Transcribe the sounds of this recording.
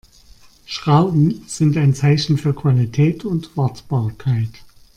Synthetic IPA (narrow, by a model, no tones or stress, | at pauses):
ʃʁ̥aʊbm̩z̥ɪntaɪnt͡saɪçn̩fyːɐkv̥alitʰɛːtʰʊntv̥aɐtb̥aːɐkʰaɪt